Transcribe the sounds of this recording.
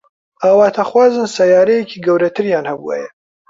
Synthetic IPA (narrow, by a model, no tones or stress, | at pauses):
aːwaːt̪ʰaχwaːzɨnsajaːɾɐjekʰiːɡɐwɾɐt̪ʰɨɾjaːnhɐbṵa̰jɛ